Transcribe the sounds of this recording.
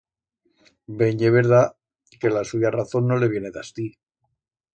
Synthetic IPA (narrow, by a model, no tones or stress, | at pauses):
be̞ɲeβe̞ɾða | ke̞lasuʝaraθo̞nːo̞le̞βje̞ne̞ðast̪i